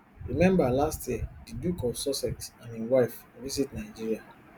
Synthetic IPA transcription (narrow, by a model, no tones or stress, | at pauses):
ɹimɛ̃mbalastjiɛdidukɔfsɔsɛksãnĩwaɪf | visitnaɪd͡ʒiɹia